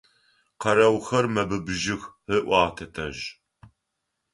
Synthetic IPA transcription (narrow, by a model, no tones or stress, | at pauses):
qɐɾɐwxɐrmɐbɨbʒɪxhəʔʷɑːtʰɐtʰɐʒ